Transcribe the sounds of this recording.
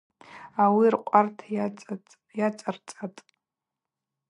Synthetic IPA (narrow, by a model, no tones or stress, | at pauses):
awirqʷʼartʰʼ | jat͡sʼart͡sʼatʼ